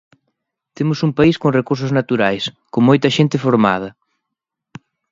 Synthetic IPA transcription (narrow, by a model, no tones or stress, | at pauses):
t̪emʊsumpaiskoŋrekuɾs̬ʊznat̪uɾajskoŋmojt̪ɐʃent̪ɪfoɾma̰ðɐ